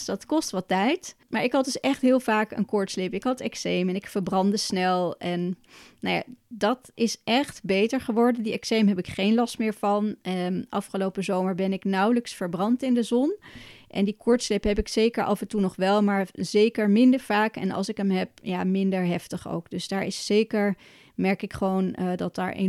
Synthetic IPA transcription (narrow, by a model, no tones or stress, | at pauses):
dɑtkɔstʋɑtɛjtmaːɹɪkɦɑt̚dɵsɛχtɦɪːlˠvaːkə̰nkʊɹtslɪpɪkɦɑtɛksejmɛnɪkfəɹbrɑndəsnɛlˠɛnːowja̰ːdɑtɪsʔɛχtbejtəɹχəʋɔɹdəndiɛksejmɦɛpɪkχejnlɑstmɪːɹv̥ɑnʔɑfχəlowpəzowməɹbɛnɪknʌwləksfəɹbrɑntɪndəzɔnʔɛ̰ndikʊɹtslepɦɛpɪksejkəɹʔɑ̰vəntunɔχʋɛlˠmaːɹzejkəɹmɪndəɹv̥aːkɛ̰nɑ̰lˠsɪkəmɦɛp̚jaːmɪndəɹɦɛftəχo̰wkdɵsdaːɹɪsːejkəɹ | mɛɹkɪkχəʋowndɑtda̰ːɹʔḛ